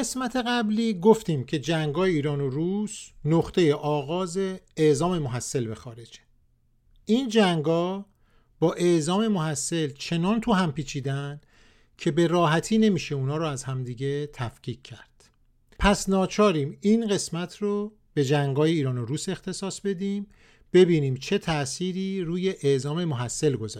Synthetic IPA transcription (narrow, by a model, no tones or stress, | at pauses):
esmæt̪ʰe̞ɣæbliːɡo̞ft̪iːmcʰe̞d͡ʒæŋɡɒːjeiːɾɒːnoɾusnoχt̪ʰe̞je̞ʔɒːɣɒːze̞ːʔzɒːme̞moɦæsːe̞lbe̞xɒːɾe̞d͡ʒe | ʔiːnd͡ʒæŋɡɒː | b̥ɒːʔe̞ʔzɒːmemoɦæsːe̞lt͡ʃʰe̞nɒːnt̪ʰuɦæmpiːt͡ʃʰiːd̪ænd̪̥ | cʰe̞be̞ɾɒːɦæt̪ʰiːne̞miːʃe̞unɒːɾoæzhæmd̪iːɟe̞t̪ʰæfcʰiːcʰcʰːæɾd̪̥ | pʰæsnɒːt͡ʃʰɒːɾiːmiːnɣe̞smæt̪ʰro | b̥e̞d͡ʒæŋɡɒːje̞iːɾɒːnoɾuːse̞xt̪ʰe̞sɒːsbe̞d̪iːm | b̥e̞biːniːmt͡ʃʰe̞t̪ʰæʔsiːɾiːɾuːje̞ʔeʔzɒːme̞moɦæsːe̞lɡo̞zː